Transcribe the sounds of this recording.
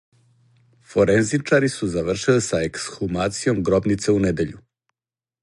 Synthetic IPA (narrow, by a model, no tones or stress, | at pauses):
foɾenzit͡ʂaɾisuzaʋr̩ʃilisaeksxumaːt̪sijo̞mɡɾo̞bnit̪seuned̪e̞ʎu